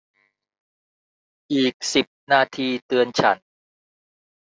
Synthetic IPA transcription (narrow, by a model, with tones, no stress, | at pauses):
ʔiː˨˩k̚si˨˩p̚naː˧t̪ʰiː˧t̪ɯ˧ənt͡ɕʰa̰˩˦n